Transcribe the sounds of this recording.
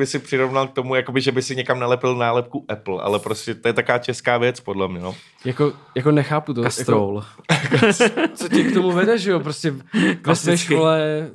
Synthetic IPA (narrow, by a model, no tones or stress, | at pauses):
bɪsɪpr̥ɪɾovnalk̚t̪o̞mujako̞bɪʒɛbɪsɪɲɛkamnalɛpɪlnaːlɛp̚kuʔɛpl̩a̰lɛpɾoscɛt̪ojɛt̪akovaːcɛskaːvjɛt͡spodlɛmɲɛno | jakojakonɛxaːput̪okasat̪ɾowlkt͡socɪkt̪o̞muvɛdɛʒɛjop̬ɾoscɛvɛsʋɛjʃkɪolɛ